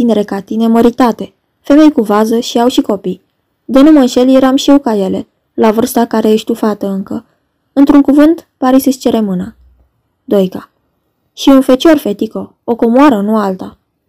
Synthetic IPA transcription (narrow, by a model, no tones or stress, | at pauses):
t̪ineɾe̞kat̪ine̞məɾit̪at̪e̞ | fe̞me̞jkuvazəʃiawʃiko̞pij | d̪e̞numənʃe̞lje̞ɾamʃiewkaje̞le̞ | lavɨrst̪akaɾejeʃt̪ufat̪əɨŋkə | ɨnt̪ɾuŋkuvɨnt̪paɾisɨst͡ʃe̞ɾe̞mɨnə | d̪o̞jka | ʃiunfe̞t͡ʃo̞rfe̞t̪iko̞ | oko̞moaɾənualt̪a